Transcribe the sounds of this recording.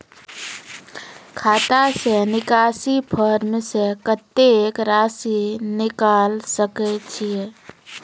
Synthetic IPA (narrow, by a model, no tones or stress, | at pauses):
kʰaːt̪asenɪkaːsipʰəɾmsekət̪ːekɾaːsinɪkaːlsəket͡ʃʰije